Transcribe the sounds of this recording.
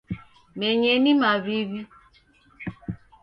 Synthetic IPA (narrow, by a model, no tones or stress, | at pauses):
meɲenimaβiβi